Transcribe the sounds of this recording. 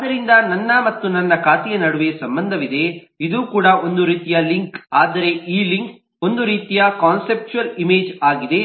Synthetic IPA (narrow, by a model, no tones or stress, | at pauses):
d̪ɐɾind̪ɐnɐnːɐmɐt̪ːunɐnːɐkaːt̪ijɐnɐɽuʋeːsɐmbɐnd̪ʱɐʋid̪e̞ | id̪uːkuːɽɐo̞nd̪uɾiːt̪ijɐliŋkaːd̪ɐɾe̞iːliŋk | o̞nd̪uɾiːt̪ijɐkaːnsep̚t͡ʃuɐlimeːd͡ʒaːɡid̪e̞